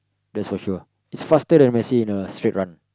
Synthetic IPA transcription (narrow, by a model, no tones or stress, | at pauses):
dɛtsfɔʃu | itsfastədɛ̃nmɛsiĩnəstɹit̚ɹãn